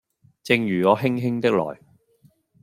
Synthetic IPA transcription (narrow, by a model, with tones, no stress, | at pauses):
t͡sɪ˧ŋjyː˨˩ŋɔː˨˧ɦɪ˥ŋɦɪ˥ŋt̪ɪ˥k̚lɔ̰ː˨˩j